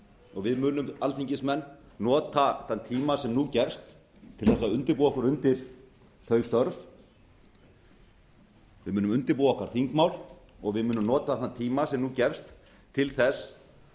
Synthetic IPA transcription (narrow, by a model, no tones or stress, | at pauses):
ɔɣvɪðmʏːnʏmalθiɲcɪsmɛnː | ɔːt̪aθant̪ʰiːmasɛmnuːcɛfst̪ʰː | ɪlθɛsːaʏnt̪ɪɾpuːɔkʏɾʏnt̪ɪɾ̥ | θœɥst̪œɾf | vɪðmʏːnʏmʏnt̪ɪɾpuːɔhkaɾ̥θiŋkmaːwl | ɔɣvɪðmʏːnʏmnɔːt̪aθant̪ʰiːmasɛmnucɛfst̪ʰː | ɪlθɛs